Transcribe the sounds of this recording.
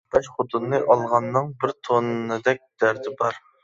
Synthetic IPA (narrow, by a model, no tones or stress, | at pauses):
pɛt͡ʃχʊt̪unːɨʔɑlˠʁɑnːɨŋbɪɾt̪ʰonnɨd̪ɛk̚ʲd̪̥æɾd̪ɪbɑɾ